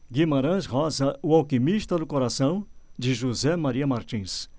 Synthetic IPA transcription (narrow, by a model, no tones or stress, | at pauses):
ɡĩmaɾɐ̃ʃɦɔzɐʊawkimiʃt̪ɐd̪ʊkoɾasɐ̃w̃d͡ʒɪʒuzɛmaɾiɐmaɾt͡ʃĩs